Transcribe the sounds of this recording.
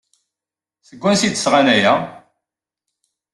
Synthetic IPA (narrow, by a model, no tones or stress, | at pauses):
θəɡʷːænsid̪sʁanæjæ